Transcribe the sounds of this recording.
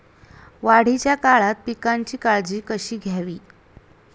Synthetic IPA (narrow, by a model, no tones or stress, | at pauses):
ʋaɽ̤it͡ɕjakaɭat̪̚pikaɲt͡ɕiːkaɭd͡ʑiːkəɕiːɡʱjaʋiː